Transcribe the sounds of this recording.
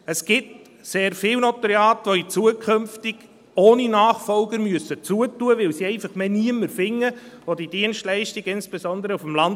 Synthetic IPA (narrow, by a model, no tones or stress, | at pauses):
əsɡ̥ɪt | seːɾfɪːlwnotəɾeɑːtʋoit͡suəkʰømftiɡ | oːninaːχfɔlɡəɾmyəsət͡suətuəʋɪwsiɛɪfɑχmeniəmːəɾfɪŋːəvodidiənʃtlɛɪʃtiɡɪnsb̥esɔnd̪əɾəufmlɑn